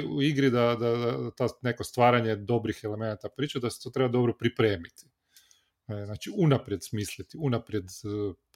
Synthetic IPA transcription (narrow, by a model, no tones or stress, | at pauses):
uiɡɾid̪ad̪aat̪ane̞kost̪ʋaːɾaɲe̞d̪o̞bɾixele̞me̞nat̪apɾiːt͡ʃud̪ase̥t̪o̞t̪ɾe̞bad̪o̞bɾopɾipɾe̞ːmit̪i̥ | znaːt͡ʃiunapɾje̞d̪smiːslit̪iunapɾje̞d̪